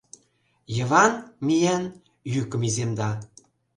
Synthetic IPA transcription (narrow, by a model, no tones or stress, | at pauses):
jɤ̆βɑnmʲijæn | jykə̆mizemd̪ɑ